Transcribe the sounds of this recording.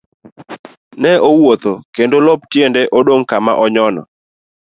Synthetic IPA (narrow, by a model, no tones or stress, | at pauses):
nɛʔowot̪okendolɔp̚tjendɛʔodoŋkama̰ʔɔɲɔnɔ̰